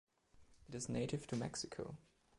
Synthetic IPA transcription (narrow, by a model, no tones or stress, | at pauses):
ɨɾɨzneɪɾɨv̥tʰɨmɛksɪkʰo̰ʊ